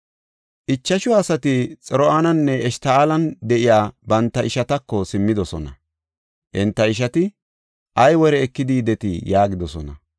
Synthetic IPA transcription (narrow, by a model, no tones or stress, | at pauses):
ʔɪt͡ʃːɐʃʊaːsɐt̪ɪt͡sʼɛɾɔaːnɐnːɛɛʃt̪ɐaːlɐnd̪ɛʔɪjaːbɐnt̪ːɐɪʃɐt̪ɐkːɔsɪmːɪd̪ɔsɔnɐ̰ | ʔɪnt̪ːɐɪʃ̬ɐt̪ɪ | ʔɐjwɔɾɛːkːɪd̪id̪ɛt̪ɪjaːɡɪd̪ɔsɔnɐ̰